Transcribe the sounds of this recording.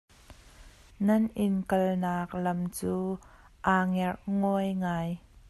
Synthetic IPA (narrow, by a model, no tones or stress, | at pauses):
nɐnʔɪnkɐlnaːk̚lɐmt͡suː | ʔaːŋɛrʔŋɔjŋaːj